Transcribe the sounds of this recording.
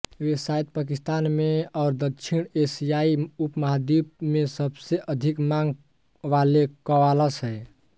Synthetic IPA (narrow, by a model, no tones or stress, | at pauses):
ʋesait̪̚pakist̪anmeɔːɾd̪əkt͡ʃʰiɽesijaiupməɦd̪ip̚mesəbseʔəd̪ʱikmaŋɡ | ʋalekəʋaləsɦɛj